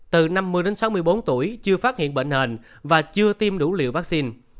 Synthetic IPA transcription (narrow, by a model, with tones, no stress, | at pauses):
t̪ɨ˨˩na˧mːɨ˧əjɗe˨˦nsa˨˦wmɨ˧əjɓo˨˦nt̪u˧˩əjt͡ɕɨ˧əfaː˦˥t̚hḭ˧˨ənɓḛ˧˨ŋ̟he˨˩n | vaː˨˩t͡ɕɨ˧ət̪i˧mɗu˧˩lḭ˧˨əwvaː˦˥k̚si˧n